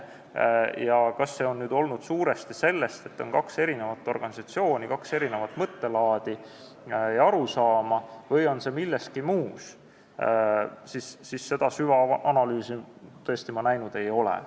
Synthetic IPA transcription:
jɑkɑsːe̞onːyːd̪o̞lnud̪̥suːɾe̞st̪ise̞lːe̞st̪e̞t̪ːˑo̞̰nkɑkse̞ɾine̞vɑt̪ːˑo̞rɡ̥ɑnisɑt̪sio̞ːnikɑkse̞ɾine̞vɑt̪ːˑmɤt̪ːe̞lɑːd̪̥i | ɑɾusɑːmɑvɤjo̞nse̞milːest̪̚kimuːs | sisːisːe̞d̪̥ɑsyvɑʔɑnɑlyːsit̪ɤ̞est̪imɑnæjnud̪̥e̞jo̞lḛ

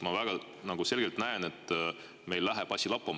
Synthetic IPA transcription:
mɑvæɡ̥ɑ | nɑɡ̥use̞lɡ̥elt̪næene̞t̪ːˑ | me̞jlːæɦeb̥ɑsʲilɑpːɑm

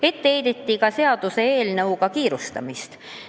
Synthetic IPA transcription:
e̞t̪ːeejd̪et̪ːikɑse̞ɑd̪use̞eːlnɤwkɑkiːɾust̪ɑ̰mist̪

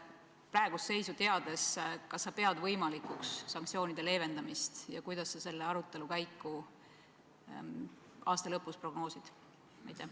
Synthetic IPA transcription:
præeɡ̥usːe̞jsut̪e̞ɑd̪̥e̞skɑsːɑpe̞ɑd̪vɤjmɑlikuksːɑŋk̚tsio̞ːnid̪̥e̞le̞ːve̞nd̪̥ɑmist̪jɑkujd̪̥ɑsːɑse̞lːeɑɾut̪ˑːe̞lukæjkːˑu | ɑːst̪ɑlɤpːuspro̞ɡ̥no̞ːsid̪̥ | mɑjt̪ːˑe

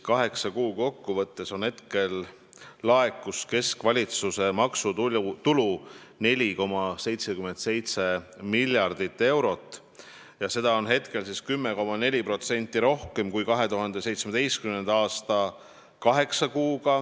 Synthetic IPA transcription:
kɑɦe̞ksɑkuːko̞kːuvɤt̪ːe̞so̞nhe̞t̪ke̞lː | ɑekːuske̞skvɑlʲit̪suse̞mɑksut̪ulune̞lʲiko̞mɑse̞jt̪sekyme̞nt̪se̞jt̪se̞milʲjɑrd̪̥it̪ːe̞wɾo̞t̪ˑː | jɑse̞d̪̥ɑo̞nɦe̞t̪ke̞lsiskymːeko̞mɑne̞lʲipro̞t̪se̞nʲt̪ˑːiɾo̞hke̞mkujkɑɦe̞t̪uɦɑnd̪e̞se̞jt̪smed̪̥e̞jst̪kymnend̪̥ɑɑːst̪ɑ | kɑɦe̞ksɑkuːɡɑ

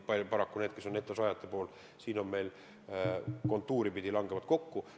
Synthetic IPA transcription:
pɑlʲjopɑɾɑkːune̞ːd̪̥̚kesːo̞nːet̪ːˑɑsɑjɑt̪ːˑepo̞ːl | siːno̞nme̞jl | ko̞nt̪ːˑuːɾipid̪ilɑŋɡ̥e̞mɑt̪̚ko̞kːu

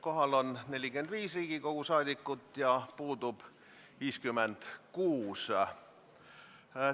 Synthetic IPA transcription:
ko̞ɦɑlonne̞lʲikymend̪ʋiːsriːɡ̥iko̞kusɑːd̪ikːut̪jɑpuːd̪up | ʋiːskymːend̪kuːs

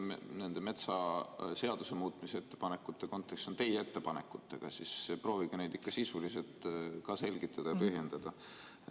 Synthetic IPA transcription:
ne̞nd̪̥e̞me̞t̪sɑse̞ɑd̪̥usemuːt̪ˑmisee̞t̪ːepɑnekːˑut̪ːe̞ko̞nt̪ːˑe̞kst̪ont̪e̞jet̪ːe̞pɑnḛkːˑut̪ːˑe̞ɡ̥ɑ̰sispro̞ːviɡ̥ɑne̞jd̪̥ikːɑsisuliselt̪ˑkɑse̞lʲɡ̥it̪ːˑɑd̪ɑjɑpɯɦjend̪̥ɑd̪̥ɑ

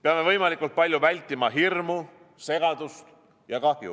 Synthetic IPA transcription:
peɑme̞vɤjmɑlikːˑult̪̚pɑlʲjuvælʲt̪ːˑimɑɦirmu | se̞ɡ̥ɑd̪ust̪ | jɑkɑhjṵ

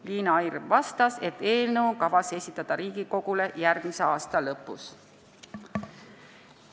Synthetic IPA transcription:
liːnɑɑjrvɑst̪ɑse̞t̪ːe̞ːlnəwkɑvɑse̞sʲit̪ːˑɑd̪̥ɑɾiːɡ̥iko̞ɡ̥ule̞jærɡ̥mise̞ɑːst̪ɑlɤpːˑus

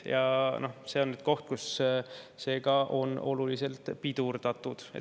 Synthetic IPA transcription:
jɑno̞hse̞o̞nːyːd̪̥̚ko̞ht̪̚kus | se̞ːɡɑʔo̞no̞lulise̞lt̪pid̪̥urd̪̥ɑt̪ːud̪̥ḛ

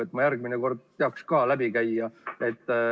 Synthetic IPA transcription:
et̪ːˑmɑjærɡ̥̚mineko̞rd̪̥̚t̪eɑkskɑːlæbikæjɑe̞t̪ˑː

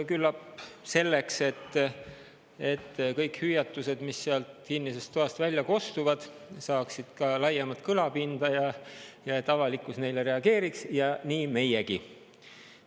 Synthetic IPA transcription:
kylːɑpse̞lːekse̞t̪ː | e̞t̪ːkɤjkhyjɑt̪ːˑuse̞d̪misːeɑlt̪kinːisest̪ːˑoɑst̪vælʲːjɑko̞st̪uvɑd̪̥ | sɑːksid̪̥kɑlɑjɑmɑt̪ˑkɤlɑpind̪̥ɑjɑjɑe̞t̪ːˑɑvɑlikːˑusne̞jleɾe̞ɑɡe̞ːɾiksjɑniːme̞jeɡi

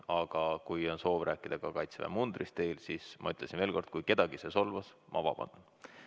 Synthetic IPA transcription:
ɑɡ̥ɑkujo̞nso̞ːvrʔæːkːˑid̪̥ɑɡ̥ɑkɑjt̪svæ̰mund̪̥rist̪e̞ːlsismʔɑ̰yt̪ˑlesinve̞ːlko̞rd̪̥̚kujke̞d̪̥ɑɡ̥iseso̞lvɑsmʔɑ̰vɑ̰b̥ɑ̰n

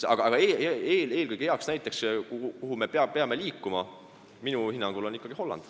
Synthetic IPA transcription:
ɑ̰ɡ̥ɑɑɡ̥ɑeːeːle̞ːlkɯjɡ̥heɑksnæjt̪ːˑe̞kskukuɦume̞peɑpe̞ɑme̞liːkːˑumɑ | minuhinːɑŋɡ̥ulo̞nikːˑɑɡ̥iho̞lːɑ̰nd̪̥

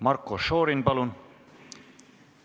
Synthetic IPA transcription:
mɑrkːoʃoːɾinpɑlun

